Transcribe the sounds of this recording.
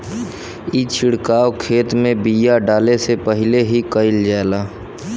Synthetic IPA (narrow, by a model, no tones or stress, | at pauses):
it͡ʃʰɪɽkaːwkʰeːt̪mẽbijaɖaːlesepəɦɪleɦikəɪld͡ʒaːlaː